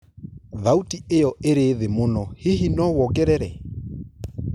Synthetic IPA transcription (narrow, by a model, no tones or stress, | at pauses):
ðautiejɔeɾeðemonɔhɪhinɔwɔkɛɾɛɾɛ